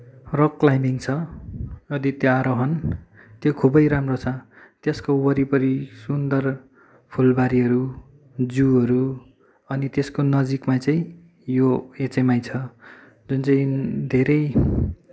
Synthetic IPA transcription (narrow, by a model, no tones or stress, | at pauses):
rʌklajmiŋt͡sʰʌ | ʌd̪it̪joaɾoɦʌn | t̪jokʰubʌjɾamrot͡sʰʌ | t̪eskowʌɾipʌɾisund̪ʌr | pʰulbaɾiɦʌɾu | d͡zuʌɾu | ʌnit̪eskonʌd͡zikmat͡saĩ | joet͡semajt͡sʰʌ | d͡zunt͡saĩd̪ʱeɾʌj